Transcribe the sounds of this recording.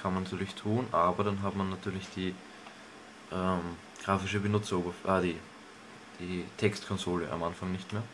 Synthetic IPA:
kʰanmanːatʰyːɐlɪçtʰuːnʔaːbɐɾanɦatmanːatʰyːɐlɪçd̥iː | ʔɛːm | ɡ̥ʁaːfɪʃəbənʊt͡sɐyːbɐfʔəd̥iː | d̥iːtʰɛkstkʰɔnzoːlə̰ʔa̰mʔanfaŋnɪçtmeːɐ

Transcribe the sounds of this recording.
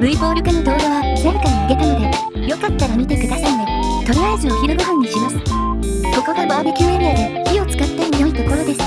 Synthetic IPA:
bɯ̟ibo̞ːɾɯ̟kanod̪o̞ːd̪aβanaɾɯ̟kaɲiɯɡe̞t̪ano̞d̪e̞ | jo̞kat̪ːaɾamʲit̪e̞kɯ̟d̪asaid̪e | t̪o̞ɾʲiaezɨoçiɾoɡɯɦãɲ̟ːiɕimasɨ̥ | ko̞ko̞ɡabaːbɯkʲimeɾʲɯjad̪eçio̞t͡sɨ̥kat̪ːaijoit̪o̞ko̞ɾo̞d̪e̞sɨ̥

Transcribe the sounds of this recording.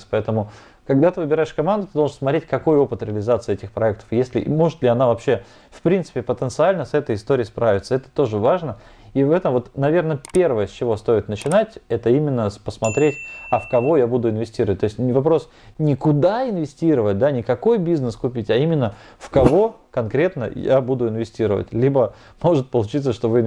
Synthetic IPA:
spɐɛt̪əmʊ | kɐɡd̪at̪ɨvɨbʲɪɾaɪʂkɐmand̪ʊt̪ɨd̪oʐənsmɐt̪ɾʲet̚ʲkɐko̞jo̞pɨt̪ɾʲɪəlʲɪzat̪sɨɛtʲɪxpɾɐɛk̚t̪ə̥fjesʲlʲɪ̰ʔmo̞ʐɨt̪lʲɪɐnavɐpɕːe̞ | fpɾʲint̪sɨ̥pʲɪpət̪ənt̪sɨalʲnəsɛt̪əjɪst̪oɾʲɪiːspɾavʲɪt̪səɛt̪ə̥t̪o̞ʐɨvaʐnə | ivɛt̪əmvo̞t̪nɐvʲe̞rnəpʲe̞rvəjəsʲt͡ɕɪvo̞st̪o̞ɪt̪nət͡ɕɪnatʲɛt̪əimʲɪnːəspəsmɐt̪ɾʲetʲɐfkɐvo̞jabud̪ʊɪnvʲɪsʲtʲiɾəvət̚ʲt̪oɪsʲtʲnʲɪvɐpɾo̞s | nʲɪkʊd̪aɪnvʲɪsʲtʲiɾəvət̚ʲd̪anʲɪkɐko̞jbʲiznəskʊpʲitʲɐimʲɪnːə | fkɐvo̞ | kɐnkɾʲe̞t̪nə̰ja̰bud̪ʊɪnvʲɪsʲtʲiɾəvə̰tʲlʲibə | mo̞ʐɨt̪̚pəlˠʊt͡ɕit̪səʂt̪ovɨn

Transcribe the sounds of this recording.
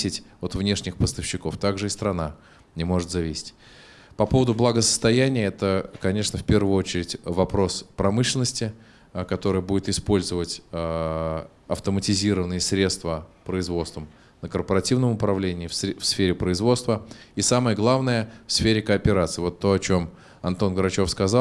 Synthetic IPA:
sʲɪtʲot̪vnʲe̞ʂnʲɪxpəst̪əfɕːɪko̞ft̪aɡʐɨɪst̪ɾɐna | nʲɪmo̞ʐɨt̪zɐvʲisʲɪ̥tʲ | pɐpo̞vəd̪ʊblˠəɡəsə̥st̪ɐjænʲɪjəɛt̪əkɐnʲe̞ʂnəfpʲe̞rvʊjʊot͡ɕɪɾʲɪtʲvɐpɾo̞spɾɐmɨʂlʲɪnːəsʲtʲɪ | kɐt̪o̞ɾɨjəbudʲɪt̪ɪspo̞lʲzəvətʲ | ɐft̪əmətʲɪzʲiɾəvənɨjəsɾʲe̞t̪st̪vəpɾəɪzvo̞t̪st̪vəm | nəkərpəɾɐtʲivnəmʊpɾɐvlʲenʲɪːffsfʲeɾʲɪpɾəɪzvo̞t̪st̪vəisaməjəɡlˠavnəjəfsfʲeɾʲɪkəːpʲɪɾat̪sɨɪvo̞t̪ːo̞ɐt͡ɕo̞m | ɐnt̪o̞nɡəɾɐt͡ɕo̞fskɐzalˠ

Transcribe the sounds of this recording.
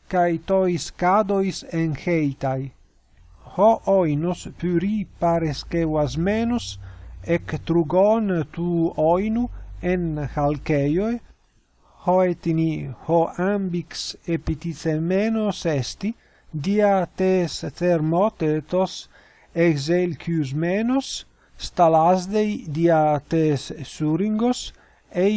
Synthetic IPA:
kajt̪oiskad̪ojsenxejt̪aj | hoʔojnospyɾipaɾeskewasmenosekt̪ɾuɡont̪uɔjnuenxalkejoj | hoet̪inihoʔambiksepit̪it͡semenosɛst̪i | d̪iat̪esθeɾmɔt̪et̪os | ekzelkjus̬menosː | t̪alazd̪ejd̪iat̪esːuɾiŋɡos | e

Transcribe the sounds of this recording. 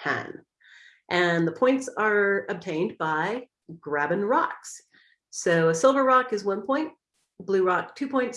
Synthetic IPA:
hʰæ̰̃n | ʔɨ̃nðəpʰɔ̃ɪ̃ntsə˞ɨb̚tʰẽɪ̃nbaɪ | ɡ̥ɹæbɨ̃nɹɑks | soʊɨsɪlˠvə˞ɹɑkɨzwʌ̃npʰɔ̃ɪ̃nt̚ | b̥lʉɹɑk̚tʰʉpʰɔ̃ɪ̃nts

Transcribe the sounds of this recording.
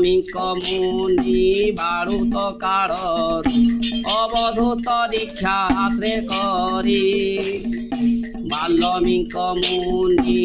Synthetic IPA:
miŋkɔmunibʱaɾut̪ɔkaɾɔsɔbɔd̪ʱut̪ɔdikʰːjaasɾekɔɾi | bʱalːɔmiŋkɔmuni

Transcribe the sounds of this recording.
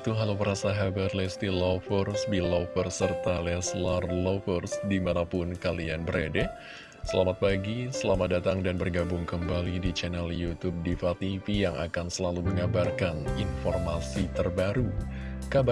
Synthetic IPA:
t̪uɦalopəɾasaɦabarlɛst̪ilofərsbilofərsːərt̪alɛslarlofərsdimanapʊnkalianbəɾadɛ | səlamat̪̚paɡisəlamat̪̚dat̪aŋdanbərɡabʊŋkəmbalidit͡ʃɛnɛljut̪ub̚difat̪ifijaŋʔa̰kansəlaluməŋabarkaninfɔrmasit̪ərbaɾukab

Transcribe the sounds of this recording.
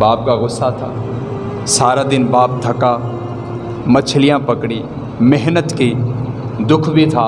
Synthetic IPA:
baːp̚kaɣʊsːat̪ʰa̰ː | saːɾad̪ɪnbaːp̚d̪ʱəkaː | mət͡ʃʰlɪjãpəkɽiː | mɛɦnət̪ki | d̪ʊkʰbʱit̪ʰaː

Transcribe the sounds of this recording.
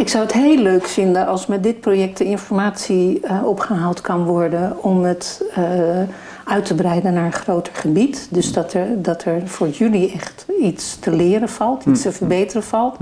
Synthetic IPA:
ɪksɑwətɦejløɥkfɪndənɑlˠsmɛt̚dɪt̚projɛk̚tdəɪnfɔɹmaːtsiɔpχəɦalˠtkɑnʋɔɹdənɔmət | œɥtəbrɛjdənaːɹəχrowtəɹχəbitdɵsdɑtdɑtʰɛɹvʊːɹjyliɛχtitstəlɪːɾənv̥ɑlˠtistəvəɹbejtərənv̥ɑlˠt

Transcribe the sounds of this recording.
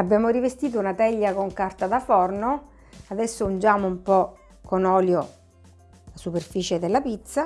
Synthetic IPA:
abːjaːmoɾivest̪iːt̪̬ounat̪ɛʎːakoŋkart̪ad̪afɔrno | ad̪ɛsːound͡ʒaːmoumpɔ | konɔːljo | asuperfiːt͡ʃed̪elːapit̪sːa

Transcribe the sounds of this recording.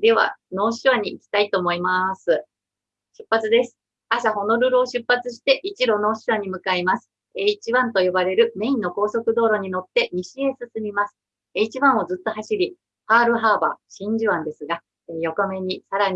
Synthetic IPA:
d̪e̞βa̰no̞ːɕiβaɲ̟iːkʲi̥t̪ait̪o̞ːmo̞imasɨ | ɕɨ̥pːat͡sɨd̪e̞sɨ̥ | asaho̞no̞ɾɯ̟ɾɯoɕɨpːat͡sɨɕi̥t̪e̞ʔit͡ɕiɾo̞no̞ːɕiβaɲ̟imɯ̟kaimasɨ̥ | eit͡ɕiβãnt̪o̞jo̞baɾe̞ɾɯ̟me̞inːo̞ko̞ːso̞kɯ̟d̪o̞ːɾo̞ɲ̟ino̞t̪ːe̞ɲiɕie̞sɨsɨmʲimasɨ̥ | eit͡ɕiβãɰ̃o̞zɨt̪ːo̞ɦaɕiɾʲi | haːɾɯ̟ɦaːba̰ɕĩɲ̟d͡ʑiβãnd̪e̞sɨɡa | ejo̞kome̞ɲ̟isaɾaɲ̟

